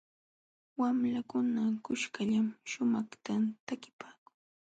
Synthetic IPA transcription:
wamlakʊnakʊʃkaʎamʃʊmaχt̪at̪akɪ̥paːkʊ̥ŋ

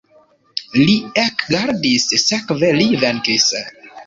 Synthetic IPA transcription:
liekɡaɾdisːɛkvelivɛnkis

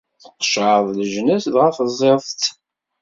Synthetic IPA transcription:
θə̥qːʃʕəðˤləʒnæsðʁæfəzˤːeðˤt̪

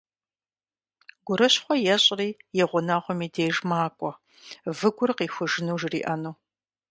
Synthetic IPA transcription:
ɡʷʊɾɨɕχʷɔjɛɕʼriːjɛʁʷʊnaʁʷɔmiːdeːʒmaːkʷʼɔ | vɨɡʷʊrqiːxʷʊʒɨnuːʒrḭːʔɐnuː

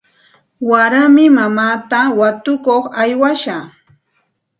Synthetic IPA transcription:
waɾamɪmamaːt̪awat̪ʊkoχajwaʃa

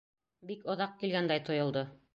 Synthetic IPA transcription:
bikŏðɑq̚kilɡænd̪æjt̪ŏjŏlˠd̪o

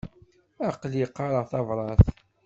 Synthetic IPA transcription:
æqliqːɑɾˤəʁθɑvɾˤɑθ

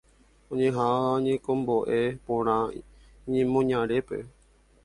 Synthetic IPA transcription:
õɲẽɦaʋaõɲẽkõmboʔe̞põɾ̃ã | ɲẽmõɲãɾe̞pe̞̰

